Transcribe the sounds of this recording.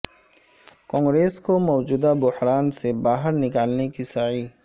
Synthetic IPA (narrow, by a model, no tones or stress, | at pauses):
kɔ̃ːŋɡɾeːskomɔːd͡ʒuːd̪abʊhɾaːnsebaːɦəɾnɪkaːlnekisɐʕiː